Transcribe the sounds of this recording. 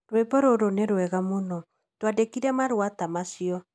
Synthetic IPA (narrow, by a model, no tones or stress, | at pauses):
ɾwɛbɔɾoɾoneɾwɛɣamonɔ | twadekiɾɛmaɾwatamasiɔ